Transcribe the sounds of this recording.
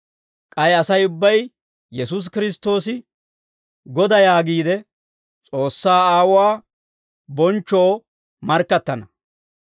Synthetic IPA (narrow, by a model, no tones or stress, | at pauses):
kʼɐjɐsɐjʊbːɐj | jɛsus̬kɪɾɪst̪o̞ːsɪ | ɡɔd̪ɐjaːɡiːd̪ɛ | t͡sʼo̞ːsːaːaːwʊwaː | bɔnt͡ʃːoː | mɐɾkːɐt̪ːɐnɐ